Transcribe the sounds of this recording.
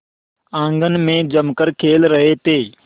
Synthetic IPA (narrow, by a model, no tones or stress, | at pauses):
ãːŋɡənmẽːd͡ʒəmkəɾkʰeːlɾəɦeːt̪eː